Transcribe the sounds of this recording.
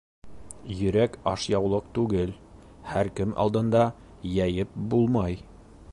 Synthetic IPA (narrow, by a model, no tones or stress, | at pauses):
jɵ̆ɾækɑʃjɑwlˠɤq̚t̪ʉɡɘl | hæɾkɘmʔɑ̰lˠd̪ɤ̆nd̪ɑ | jæjɘp̚bulˠmɑj